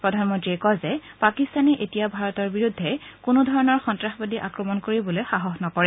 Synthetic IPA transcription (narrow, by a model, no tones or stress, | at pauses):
pɹɔdʱanmɔntɹikɔzɛpakist̪anɛʔetijabʱaɹɔtɔɹbiɹudʱːɛkʊnʊdʱɔɹɔnɔɹxɔntɹaxbadiʔakɹɔmɔnkoɹibɔlojxaɦɔxnɔkɔɹɛ